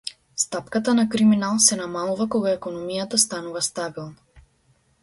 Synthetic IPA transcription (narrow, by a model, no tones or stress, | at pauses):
st̪apkat̪anakɾiminalˠsɛnamalˠuvakɔɡaɛkɔnɔmijat̪ast̪anuvast̪abilˠna